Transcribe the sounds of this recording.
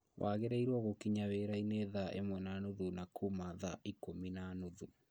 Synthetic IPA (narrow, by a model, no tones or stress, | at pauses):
wʔaɣeɾeiɾwɔɣokiɲaweɾaineðaʔḛmwɛnanuðunakumaðaʔikominanuðu